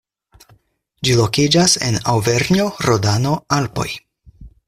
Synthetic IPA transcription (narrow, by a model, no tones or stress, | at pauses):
d͡ʒilo̞kid͡ʒase̞̰nawve̞ɾnjo̞ɾodano̞alpo̞̰j